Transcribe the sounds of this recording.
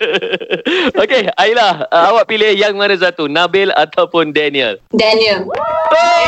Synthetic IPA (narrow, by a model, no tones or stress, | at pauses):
okeailahawaʔ̚pilehjaŋmãɾəsat̪unabɪla̰t̪ʰawpʊndɛniəldɛniəlo